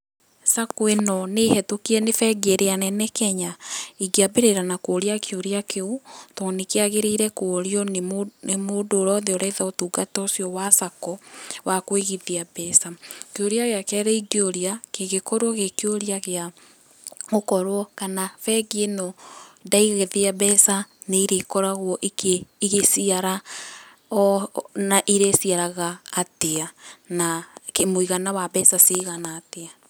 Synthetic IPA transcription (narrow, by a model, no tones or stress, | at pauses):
sakoenɔnehɛtokiɛnefɛɡeɾeanɛnɛkɛɲaiɡeabeɾeɾanakoːɾiakeoɾeakeutɔnekeaɣeɾeiɾɛkoɾiɔnenemodoːɾɔðeɔɾɛðaotuːɡatɔsjɔwasakɔwakweɣiðiabɛsakeoɾeaɣeakɛɾɛiɡeoɾiakeɣekɔɾwɔɣekeoɾiaɣea | ɣokɔɾwɔkanafɛɡienɔdaiɣeðeaβɛsaneiɾekɔɾaɣwɔʔikʰeiɣesiaɾa | naʔiɾesiaɾaɣaːteanakemoiɣanawabɛsaseɣanaːtea